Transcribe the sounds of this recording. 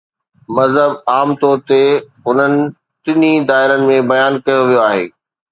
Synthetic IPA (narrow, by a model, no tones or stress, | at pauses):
mɐzɦəbaːmt̪ɔːɾt̪e | ɦʊn̤ənɪ̆ | t̪ɪnid̪aːɪɾənɪ̆mẽbɐjaːnkɐjoʋijoaːɦḛː